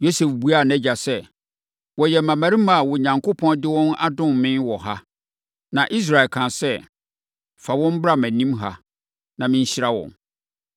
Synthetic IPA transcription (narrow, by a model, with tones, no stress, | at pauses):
jo˦sɛ˨fbu˦a˦˨næ˦d͡ʑa˨sɛ˦ | wɔ˨jɛ˨mã˨mæ̃˨ɾi˦ma˨wɔ˨ɲã˨ŋkʰo˦pʰɔ̃˦ndɪ˦wɔ̃˦na̰˦dʊ̃˦m˨mɪ̃˦nwɔ˨ɦa˦ | nã˨ʔi˦s̬ɾa˨e˨lkʰã˨sɛ˦ | fa˨wɔ̃˦m̩˦bɾa˦mæ̃˨nĩ˦mɦa̰˦ | nã˨mɪ̃˦ɲ˦ɕɪ˦ɾa˦wɔ̰̃˨n